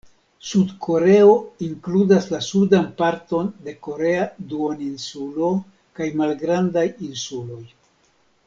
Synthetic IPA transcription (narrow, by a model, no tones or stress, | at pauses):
sudkʰo̞ɾe̞o̞iŋkludaslasudanpaɾto̞nde̞ko̞ɾe̞aduoninsulo̞ | kajmalɡɾandajinsulo̞j